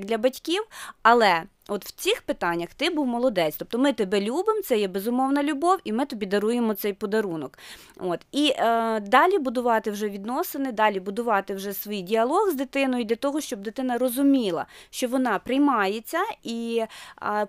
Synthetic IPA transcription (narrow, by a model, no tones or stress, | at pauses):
d̪lʲɐbɐtʲkʲiwɐlˠɛ | ɔt̪w̥t͡sʲixpɪt̪ɑnʲːɐxt̪ɪbuwmɔlˠɔd̪ɛt͡sʲt̪ɔp̚t̪ɔmɪt̪ebɛlʲubɪmt̪sɛjɛbezʊmɔwnɐlʲʊbɔwimɪt̪ɔbʲid̪ɐɾujemɔt̪sɛjpɔd̪ɐɾunɔk | ot̪id̪ɑlʲibʊd̪ʊʋɑt̪ɪwʒɛʋʲid̪nɔsɪnɪd̪ɑlʲibʊd̪ʊʋɑt̪ɪwʒɛsʋijdʲiɐlˠɔɣzd̪ɪt̪ɪnɔjʊd̪lʲɐt̪ɔɦɔʃt͡ʃɔb̚d̪ɪt̪ɪnɐrɔzʊmʲilˠɐ̰ʃt͡ʃɔʋɔnɑpɾɪjmɑjet͡sʲːɐi